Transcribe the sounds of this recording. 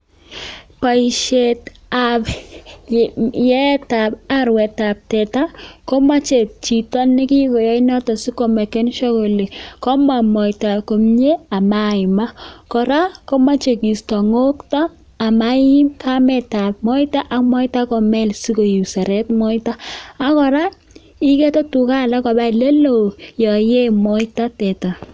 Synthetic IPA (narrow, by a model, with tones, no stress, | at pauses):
pa˨i˨ʃe˨t | a˨b | jɛ˦ta˨ba˦ɾwɛ˨ta˨p̚tɛ˨ta˦ko˦ma˦t͡ʃe˨t͡ʃi˨tɔ˦nːɪ˦kɪ˦kɔ˨jɔ˦ɪ˦nɔ˦tɔ˨si˦ko˨ma˨ke˦nʃɔ˦ko˨le˨kɔ˦ma˨mɔ˨ɪ˨ta˨ko˨mɲe˦a˨ma˦˨ɪ˨ma˦kɔ˨ɾa˦ko˦ma˦t͡ʃe˨ki˨stɔ˨ŋo˦ktɔ˦ | a˨ma˦i˦mkʰa˦mɛ˨ta˨pmɔ˦jta˦ʔa˨kmɔ˦i˦ta˦kɔ˨mɛ˦˨lsi˦ko˨ji˨sa˨ɾɛ˦tmɔ˦jta˦a˦kɔ˨ɾa˦ | i˦kɛ˦tɔ˦tu˨ka˦˨la˦kɔ˨ba˦i˨le˦lo˨jɔ˨je˦mɔ˦ita˦tɛ˨ta˨